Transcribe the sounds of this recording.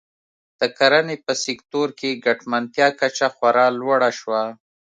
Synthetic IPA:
d̪̥əkaɾanepəsɪkt̪oɾkeɡaʈmant̪jɑkat͡ʃaxwaɾɑlwaɽaʃwa

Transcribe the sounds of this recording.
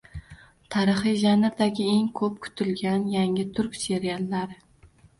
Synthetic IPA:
t̪ʰaɾɨχɨjʒanɪɾd̪aɡʲɪeŋkʰɵp̚kʰʊ̥t̪ʰɪlɡʲanjaŋɪt̪ʰʊɾkʲse̞ɾijalˠːaɾɪ

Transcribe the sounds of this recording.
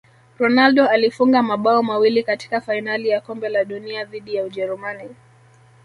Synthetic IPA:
ɾɔnalɗɔalifuŋɡamaɓaɔmawilikati̥kafainalijakɔmbɛlaɗuniaðiɗijauʄɛɾumani

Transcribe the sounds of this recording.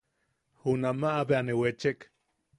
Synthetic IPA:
hunamaʔːβeanewet͡ʃek

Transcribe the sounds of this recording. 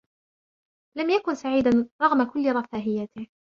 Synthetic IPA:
lamjakʊnsaʕiːd̪anɾˤɑɣmakʊlːɪɾˤɑfaːɦɪjat̪ɪh

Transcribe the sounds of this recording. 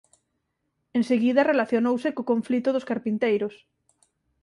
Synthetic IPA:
eŋseɣiðɐrelaθjonowsɪkokoɱflit̪ʊðʊskaɾpint̪ejɾʊs

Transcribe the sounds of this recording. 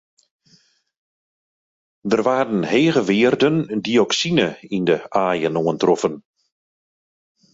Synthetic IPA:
dərʋaːɾənheːɣəʋɪːrdəndiɔksinəindəʔaːjənoəntrɔfən

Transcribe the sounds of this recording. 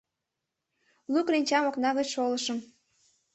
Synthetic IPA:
lukrinʲt͡ɕɑmoknɑɣət͡ɕʃoləʃəm

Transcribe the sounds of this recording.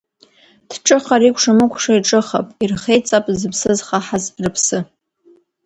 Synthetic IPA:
d̥ʰʈ͡ʂʼɨχaɾikʷʰʂamɨkʷʰʂaiʈ͡ʂʼɨχa̰pʼirχejt͡sʼapʼzɨpʰsɨzχaħazrɨpʰsɨ

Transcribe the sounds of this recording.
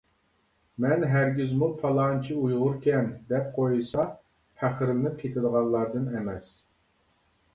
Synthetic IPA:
mɛnɦæɾɡʲyzmupʰɑlˠɑnt͡ʃʰiujʁʊɾkʲɛnd̪ɛp̚qʰojɨsɑ | hʰæχɾɪnɨkʲʰet̪ʰɪd̪əʁɑnlˠɑɾd̪ɨnɛmɛs

